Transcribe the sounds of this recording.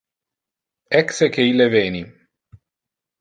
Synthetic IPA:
ɛksekeilevɛːni

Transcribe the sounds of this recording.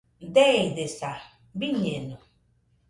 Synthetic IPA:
deidesa | biɲenu

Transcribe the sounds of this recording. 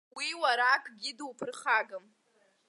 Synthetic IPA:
wiwaɾakʰʼɡʲɪdwpʰɨrχaɡɨm

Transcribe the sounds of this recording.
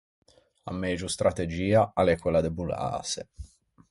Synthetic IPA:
a̰mːɛd͡ʒust̪ɾʔat̪ed͡ʒiːaalɛkwelad̪ebula̰ːse

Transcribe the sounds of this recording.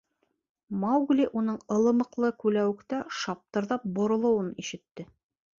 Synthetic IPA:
mɑwɡlʲiʔunɤɴɤ̆lˠɤ̆mɤ̆qlˠɤkʉlæwɘ̆kt̪æʃɑp̚t̪ɤ̆ɾðɑp̚bŏɾŏlˠɤ̆wɤniʃɘ̆t̪ːɘ

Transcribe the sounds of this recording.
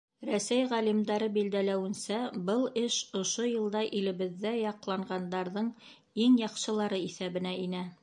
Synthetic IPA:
ɾæsæjʁælimd̪ɑɾɤbild̪ælæwɘ̆nsæbɤlˠɘʃŏʃojɤ̆lˠd̪ɑʔilɘ̆βɘ̆ðːæjɑqlˠɑɴɢɑnd̪ɑɾðɤɴ | iŋjɑqʃɤ̆lˠɑɾɤiθæβɘ̆næinæ

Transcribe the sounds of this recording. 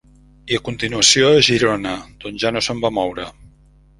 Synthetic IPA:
iəkunt̪inuəsioəʒiɾonəd̪̥onʒanosəmbamɔwɾə

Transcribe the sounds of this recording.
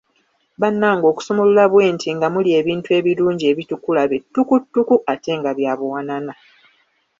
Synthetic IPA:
βanːaːŋɡo̞ːku̥so̞molulaβwe̞ːntʰiŋɡamulie̞ːβiːntue̞ːβiluːɲɟie̞ːβitukulaβetːukutːukuʔate̞ŋɡaβjaβwwanana

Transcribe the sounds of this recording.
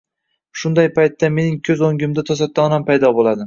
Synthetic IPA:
ʃʊnd̪ajpʰajt̪ːame̞nɪŋkʲʰɵzoŋɡʲɪmd̪at̪ʰɒsat̪ːanampʰajd̪ɒbolˠad̪ɪ

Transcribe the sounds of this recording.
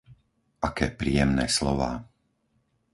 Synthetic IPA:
ʔakɛːpɾiːjɛmnɛːslɔʋaː

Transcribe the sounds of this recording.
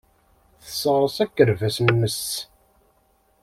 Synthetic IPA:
θə̥sˤːəʁˤəsækːəɾvæsnmːəs

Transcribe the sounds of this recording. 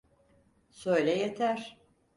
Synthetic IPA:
søjlʲɛjet̪ʰæɾ̥

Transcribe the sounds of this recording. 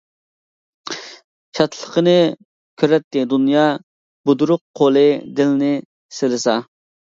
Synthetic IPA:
ʃɑt̪ʰlˠə̥qənɨ | kʲʰøɾɛt̪ːɪd̪unjɑ | bud̪uɾʊqʰːolˠɨd̪ɪlɪnɪ | selɪsɑ

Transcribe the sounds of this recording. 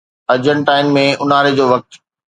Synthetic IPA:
ɐɾd͡ʑəɳʈaːɪnmẽʊnaːɾed͡ʑoːʋɐk̚t̪

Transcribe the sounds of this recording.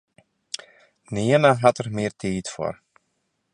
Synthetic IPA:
niənaɦatərmɪərtʰiːtfo̰r

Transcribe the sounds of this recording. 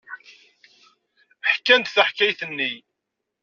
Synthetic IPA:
ħkːænt̪θæħkːæjθənːi

